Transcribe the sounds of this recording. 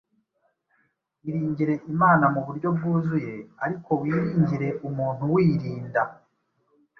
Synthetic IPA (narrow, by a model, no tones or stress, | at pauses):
iɾiːɲɟiɾe̞ʔimaːnamuβuɾɟo̞b̚ɡuːzuje̞aɾiko̞wiːɾiːɲɟiɾe̞ʔumuːn̥huwiːɾiːnda